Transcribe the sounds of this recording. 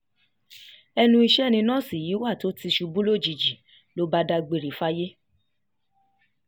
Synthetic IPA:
ɛ˧nũ˦i˧ʃɛ˦nĩ˧nãː˦˨si˦˨ji˨˦wa˦˨to˨˦ti˧ʃu˧bu˦lo˦˨d͡ʒi˨d͡ʒi˨ | lo˨˦ba˦da˧ɡ͡be˨˧ɾi˨˦fa˦je˦

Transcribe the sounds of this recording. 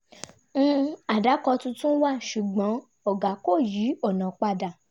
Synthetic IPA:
ñ̩˦˧a˨da˨˦kɔ˧tũ˧tũ˦wa˦˨ʃu˨ɡ͡bɔ̃˨˦ | ɔ˨ɡa˨˦ko˦˨ji˨˦ɔ˦˨nã˨k͡pa˧da˨

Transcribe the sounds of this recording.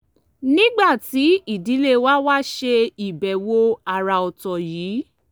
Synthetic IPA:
nĩ˦ɡ͡ba˦˨ti˨˦i˦˨di˨˦le˦wa˦wa˦ʃe˧i˨bɛ˨wo˧a˨ɾa˧ɔ˨tɔ˨jiː˨˦

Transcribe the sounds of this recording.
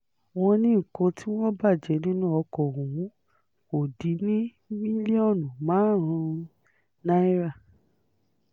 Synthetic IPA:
w̃ɔ̃˧nĩ˦˨kɔ̃˧ti˦wɔ̃˦ba˦˨d͡ʒɛ˨˦nĩ˦nũ˦ɔ˧kɔ˨ɾũ˨wũ˨˦ | ko˨di˨˦nĩ˦ | mĩ˦li˦ɔ˦˨nũ˨mãː˨˦˨ɾ̃ã˧ | na˦i˦ɾa˦˨

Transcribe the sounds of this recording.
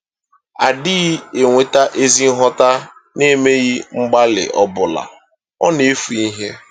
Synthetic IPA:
a˨dɪ˦ɣe˨ŋʷe˨ta˦ʔe˦zi˦ɦɔ˦ta˦ | ne˦me˦ɣi˦ŋ͡m̩˦ɡ͡ba˦lɪ̰˨ʔɔ˦bʊ˨la̰˨ | ɔ̰˦ne˨e˦fu˨i˦ɦe˦

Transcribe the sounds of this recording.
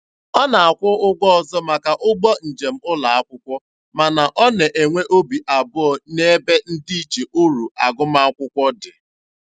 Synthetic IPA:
ɔ˦na˨a˨kʷʊ˦ʊ˦ɡɔ˦ɔ˨zɔ˦ma˨ka˨ʔʊ˦ɡ͡bɔ˦n̩˨d͡ʒe˨m̩˦ʊ˦la˨a˦kʷʊ˦kʷɔ˦ | ma˨na˨ʔɔ˦ne˨ʔe˨ŋʷe˦ʔo˦bi˨ʔa˨bʊ˦ɔ˨ne˦be˦n̩˦di˦i˦t͡ʃe˨ʔo˦ɾu˨a˨ɡʊ˦ma˦a˦kʷʊ˦kʷɔ˦dɪ˨

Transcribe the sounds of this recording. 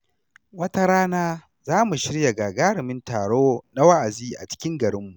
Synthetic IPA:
wɐ˦ta˦ɾaː˦naː˦ | zaː˦mu˨ʃɪ˦ɽja˨ɡaː˨ɡaː˦ɽɪ˨mɪ˦ntaː˨ɽoː˦na˦wa˦ʔa˨ziː˦ʔa̰˨t͡ʃɪ̥˦kʲɪ˦ŋɡɐ˨ɽɪ˦mːu˨ʔ

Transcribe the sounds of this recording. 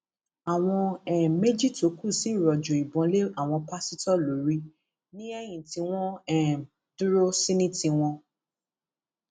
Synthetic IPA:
a˨w̃ɔ̃˧ɛ˦˨me˦d͡ʒi˦˨to˨˦ku˦˨si˨˦˨ɾɔ˨d͡ʒo˨i˨bɔ̃˨˦le˦a˦˨w̃ɔ̃˧pa˦si˦tɔ˦˨lo˨˦ɾi˧ | nĩ˦ɛ˦j̃ĩ˨ti˨˧˦w̃ɔ̃˦ɛ˦˨m | du˦ɾo˦si˦nĩ˦tĩ˧w̃ɔ̃˧

